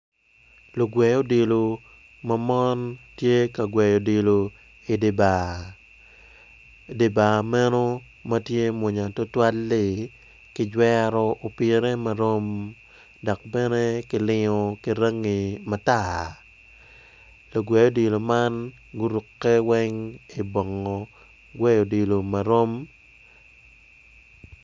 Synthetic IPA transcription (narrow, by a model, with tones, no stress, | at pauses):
lo˨ɡwɛ˨jo˦de˨lo˨ | mɐ˦mɔ˦ntje˦ka˨ɡwɛ˨jo˨de˨lo˨ | i˨de˨ba˨ | de˨ba˨mɛ˦no˦ | mɐ˦tje˦mo˨ɲa˨tɔ˦twa˦lːɪ˨ | kɪ˦d͡ʒwɛ˦ɾɔ˦ʔo˨pɪ˨ɾe˦mɐ˨ɾo˦m | dɔ˨k̚bɛ˦ne˦kɪ˨lɪ˦ŋɔ˨kɪ˨ɾa˦ŋːi˨ma˨ta˦ | lo˨ɡwe˨jo˦di˨lo˨ma˦n | ɡʊ˦ɾu˨kːe˦wɛ˦ŋi˨bɔ˨ŋːɔ˨ | ɡwɛ˦jo˨di˨lo˨ma˨ɾo˦m